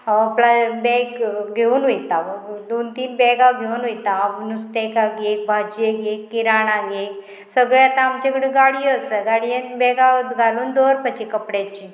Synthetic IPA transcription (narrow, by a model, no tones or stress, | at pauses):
plabɛɡɡʱeuːnɦojt̪ad̪ont̪iːnbɛɡaɡʱeuːnɦojt̪anust̪ekaɡek̚bʱad͡ʑeɡekːiɾanaɡek | səɡɭeat̪ãːmt͡ɕekəɽeɡaɽijəsəɡaɽijənbɛɡat̪ɡʱaluːnd̪oɾpət͡ɕikəpɽat͡ɕi